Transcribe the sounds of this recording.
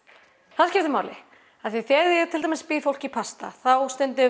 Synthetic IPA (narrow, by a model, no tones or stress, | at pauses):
θaðcɪft̪ʏmaːwlɪ̰ | aðθviθɛðɪɛt̪ʰɪlamɪspiðfowl̥cipʰast̪a̰θawst̪ɛnt̪ɪ